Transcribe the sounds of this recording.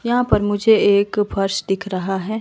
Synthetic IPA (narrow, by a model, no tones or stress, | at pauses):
jɐɦãpɐɾmʊd͡ʒʱeːkfʰɐɾʃd̪ɪkʰɾɐɦaɦɛː